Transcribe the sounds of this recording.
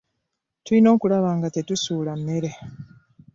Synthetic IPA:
tulino̞ːkulaβaːŋɡate̞tusuːlamːe̞ɾe

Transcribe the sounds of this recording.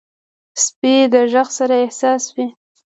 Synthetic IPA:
sped̪əʒəxsaɾaɪhsɑswi

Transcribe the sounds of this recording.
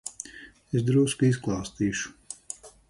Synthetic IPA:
esd̪ɾuːskisklˠaːst̪iːʃu̥

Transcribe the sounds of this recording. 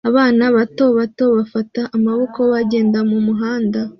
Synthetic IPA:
aβaːnaβato̞βato̞βafataʔːmaβo̞koβaɟe̞ːndamumuɦaːnda

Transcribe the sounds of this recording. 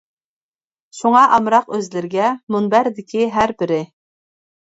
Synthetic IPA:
ʃuŋɑʔɑmɾɑqøzlɪɾɪɡʲɛmunbæɾd̪ɪkʲʰiɦæɾbɪɾɪ

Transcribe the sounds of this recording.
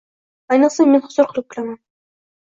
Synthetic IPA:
ɑjnɤqsamenχʊz̥ʊɾqʰʊlˠɪp̚kʲɪlaman

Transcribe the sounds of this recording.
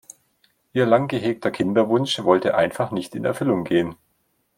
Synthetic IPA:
ʔiːɐlaŋɡəɦeːk̚tʰɐkʰɪndɐvʊnʃvɔltəʔaɪnfaχnɪçtɪnɛ̰ɐfʏlʊŋɡeːən

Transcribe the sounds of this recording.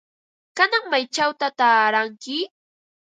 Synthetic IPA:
kanaŋmajt͡ʃawt̪at̪aːɾaŋkɪ

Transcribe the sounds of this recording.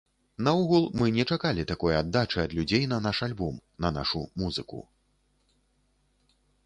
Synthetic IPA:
nɐuɣulˠmɨnʲɛt͡ʂakalʲit̪akɔjad̪ːat͡ʂɨɐd̪lʲud͡zʲejnɐnaʂalʲbɔmnɐna̰ʂumuzɨkṵ

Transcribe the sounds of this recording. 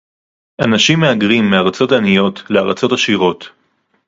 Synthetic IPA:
ʔanaʃimːeaɡʁimːeaʁat͡so̞tanijo̞tleaʁat͡so̞taʃiʁo̞t

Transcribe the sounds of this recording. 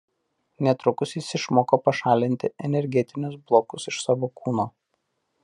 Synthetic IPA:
nʲɛt̪ɾʊkʊsisʲɪʃmoːkopɐʃɑːlʲɪnʲt̪ʲɪɛnʲɛɾʲɡʲɛt̪ʲɪnʲʊsblˠoːkʊsɪʃsɑːʋoːkʰuːnoː

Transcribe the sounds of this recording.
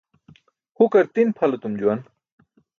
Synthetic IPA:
hukɐɾt̪inpʰɐlɐt̪umd͡ʑuwɐn

